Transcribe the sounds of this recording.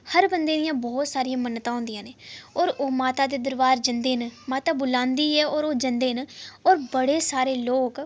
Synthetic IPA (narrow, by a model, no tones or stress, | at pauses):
həɾbənd̪ẽːd̪ɪjãːbɔːt̪saːɾɪjãːmənːt̪ãːɦʊ̃nd̪ɪjãːneːɔːɾoːmaːt̪aːd̪eːd̪əɾʋaːɾd͡ʒənd̪eːnmaːt̪aːbʊlãːnd̪iːɛːɔːɾoːd͡ʒənd̪eːnɔːɾbəɽeːsaːɾeːloːk